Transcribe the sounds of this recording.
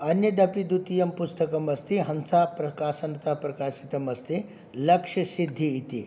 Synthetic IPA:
ɐnjɐd̪ɐpid̪ut̪ijɐmpust̪ɐkɐmɐst̪iɦɐnsapɾɐkaːsɐnɐt̪apɾɐkaːsit̪ɐmɐst̪i | lɐkʂɐsid̪ʱːiːt̪ḭ

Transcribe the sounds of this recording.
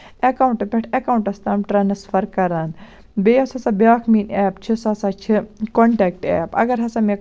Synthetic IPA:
ɐkauɳʈɨpʲeʈʰɐkauɳʈɐst̪ɐːmʈɾɐnsfʰɐɾkɐɾɐn | bejosɐsɐbʲaːkʰmiːneːpt͡ʃʰisɐsat͡ʃʰikoɳʈɛːk̚ʈḛːpɐ̰ɡɐɾɦɐsame

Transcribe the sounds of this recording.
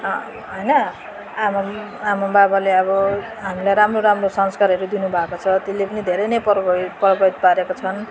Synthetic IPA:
ɦʌjnʌ | ama | amababaleʌβʌ | ɦamilajɾamroɾamrosʌnskaɾɦʌɾud̪inubʱakot͡sʰʌt̪elːepʌnid̪ʱeɾʌjnʌjpʌpʌɾʌbʌjt̪̚paɾekot͡sʰʌn

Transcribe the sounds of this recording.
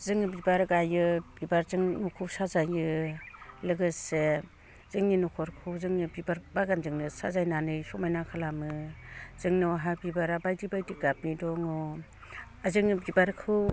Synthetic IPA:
zɯŋɯbibaɾɡajɯbibaɾzɯŋnukʰɯwsazajɯ | lɯɡɯse | z̥ɯŋninukʰɔɾkʰɯwzɯŋnɯbibaɾbaɡanzɯŋnɯsa̰zajnanɯjsɔmajnakʰalamɯz̥ɯŋnɔɦabibaɾabajdibajdiɡap̚nidɔŋɔ | azɯŋɯbibaɾkʰɯw

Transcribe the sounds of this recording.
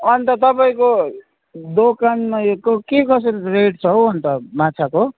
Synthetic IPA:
ʌnt̪ʌt̪ʌpaĩko | d̪okanmajokkekʌs̬eɾireʈt͡sʰʌɦwʌnt̪ʌmat͡sʰako

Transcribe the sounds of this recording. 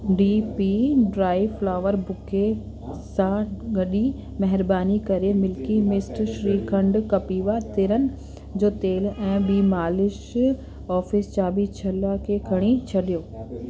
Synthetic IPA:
ɖiːpiɖɾaːɪʋflaːʋəɾbʊke | sãɡɐɗi | mɛɦɪɾbaːnikɐɾemɪlkimɪsʈʃɾiːɾkʰɐ̃ɳɖkɐpiːʋat̪ɪɾənɪ̆ | d͡ʑoːt̪eːlɛ̃ːɓiːmaːlɪʃ | ɔːfɪst͡ɕaːbit͡ɕʰɐlakʰekʰɐɽ̃it͡ɕʰɐɗijoː

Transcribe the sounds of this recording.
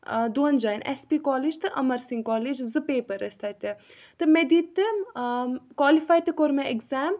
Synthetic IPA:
d̪uɐnd͡ʒɐːnʔɛ̰spiːkɔːliːd͡ʒt̪ɨʔɐmɐɾsiŋkɔːlid͡ʒzɨpeːpɐɾɐst̪ʰɐt̪ʲi | t̪ɨmed̪iːt̪ːɨ | kwaːlifaːjt̪ɨkoɾmeekzaːm

